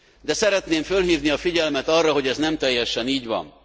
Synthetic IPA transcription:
d̪ɛsɛɾɛt̪neːɱfølɦiːvniɒfiɟɛlmɛt̪ɒrːɒɦo̞ɟɛznɛmt̪ɛjːɛʃɛniːɟvɒ̰n

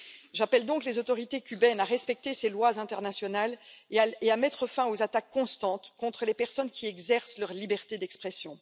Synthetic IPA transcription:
ʒapɛld̪ɔ̃klezot̪ɔʁit̪ekʲybɛnaʁɛspɛk̚t̪eselwazɛ̃t̪ɛʁnasjɔnaleamɛt̪χəfɛ̃ozat̪akʰːɔ̃st̪ɑ̃t̪kɔ̃t̪χəlepɛʁsɔnkʲʰiɛɡzɛʁslœʁlibɛʁt̪ed̪ɛkspχɛsjɔ̃

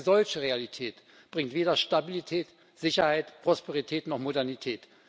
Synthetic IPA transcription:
zɔlçəʁealitʰɛːt | b̥ʁɪŋtv̥eːdɐʃtabilitʰɛːt | z̥ɪçɐhaɪtpʁ̥ospeʁitʰɛːtnɔχmodɛɐnitʰɛːt

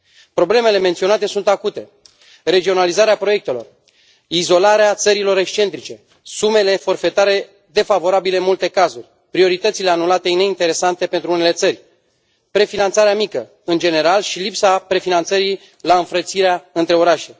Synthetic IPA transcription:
pɾo̞ble̞me̞le̞ment̪sio̞nat̪e̞sunt̪akut̪e̞ | re̞d͡ʒio̞nalizaɾeapɾo̞je̞k̚t̪e̞lo̞̰r | izo̞laɾeat̪səɾilo̞ɾe̞kst͡ʃe̞nt̪ɾit͡ʃe̞ | sume̞le̞fo̞rfe̞t̪aɾe̞ | d̪e̞favo̞ɾabilemult̪e̞kazurʲ | pɾio̞ɾit̪ət̪sile̞anulat̪e̞ine̞int̪e̞ɾe̞sant̪e̞pe̞nt̪ɾuune̞le̞t̪sərʲ | pɾe̞finant̪saɾeamikə | ɨnd͡ʒe̞ne̞ɾalʃilipsapɾe̞finant̪səɾi | laɨnfɾət̪siɾeaɨnt̪ɾe̞o̞ɾaʃe̞

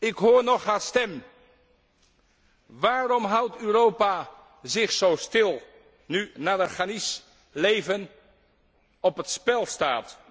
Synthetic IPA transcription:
ɪkɦʊːɹnɔχɦastɛm | ʋaːrɔmɦawtøːɾowpa | zɪχsowstɪlˠ | nynaːdəχanis | lejvən | ɔpətspɛlˠstaːt

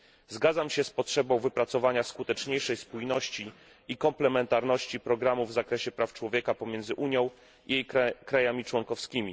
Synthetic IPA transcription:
zɡad̪zamɕɛspɔtʂɛbɔ̃w̃vɘpɾat̪sɔvaɲaskut̪ɛt͡ʂɲejʂɛjspujnɔɕt͡ɕi | ikɔmplɛmɛnt̪aɾnɔɕt͡ɕipɾɔɡɾamuvzakɾɛɕɛpɾaft͡ʂwɔvʲjɛkapɔmʲjɛnd̪zɘʔuɲjɔ̃w̃ | ijejkɾajamʲit͡ʂwɔŋkɔfskʲimʲi

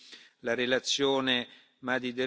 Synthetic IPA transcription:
laɾelat̪sːjoːne | mad̪id̪e

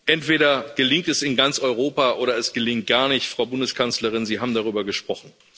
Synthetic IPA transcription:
ʔɛntv̥eːɾɐɡ̥əlɪŋ̚tɛsɪnɡant͡sʔɔʏʁ̞oːpaʔoːɾɐɛsɡ̥əlɪŋt̚ɡ̥aːɐnɪçtfʁ̥aʊbʊndəskʰant͡sləʁ̞ɪnziːɦaːbm̩daʁ̞yːbɐɡəʃpʁ̥ɔχn̩

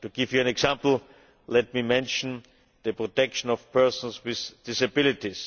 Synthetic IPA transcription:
tuɡɪvjuæ̃nɛksãmpl̩ˠ | lɛt̚mimɛ̃nʃɔ̃n̩ | ðəpɹɔtɛkʃə̃nɔfpʰɜ˞sɔ̃nswɪθd̥ɪsabɪlɪtis

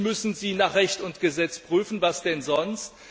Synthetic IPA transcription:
mʏsn̩ziːnaːχʁɛçtʊntɡ̥əzɛt͡spʁ̥yːfn̩vasd̥ɛnzɔnst

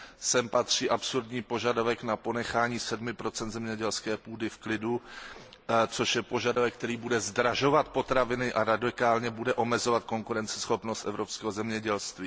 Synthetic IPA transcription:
sɛmpat̪r̝̥iːʔapsuɾdɲiːpo̞ʒadavɛknapo̞nɛxaːɲiːsɛdmɪpɾo̞t͡sɛnd̪zɛmɲɛɟɛlskɛːpuːdɪfklɪdu | t͡so̞ʃjɛpo̞ʒadovɛkːt̪ɛɾiːbudɛzdɾaʒo̞vat̪̚po̞t̪ɾavɪnɪʔaɾadɪkaːlɲɛbudɛʔo̞mɛzo̞vat̪̚ko̞ŋkuɾɛnt͡sɛ̥sxo̞pnost̪ʔɛvɾopskɛːɦozɛmɲɛɟɛlst̪viː

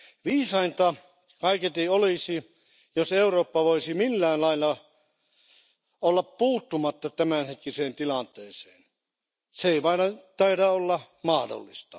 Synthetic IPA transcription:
ʋiːsɑint̪ɑ | kɑiket̪ioliˑsi | joseuroːpːɑʋoisimilːæːllɑilːɑ | olːɑppuːt̪ːumɑt̪ːɑt̪æmænhet̪̚kiseːnt̪ilɑnt̪ˑeːseːn | seeˑiʋɑinɑt̪ɑiɾæolːɑ | mɑhdo̰lːist̪ɑ

